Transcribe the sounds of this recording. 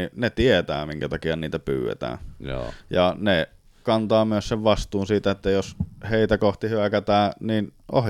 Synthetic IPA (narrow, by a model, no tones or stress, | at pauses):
inet̪iet̪æ̰ːmiŋkæt̪ɑkiɑniːt̪æpy̰ːwḛt̪æ̰ː | jɑne | kɑnt̪ɑːmyøsseʋʋɑst̪uːnsiːt̪æet̪ːæjosheˑit̪ækoht̪ihyækæt̪æːninʔo̰h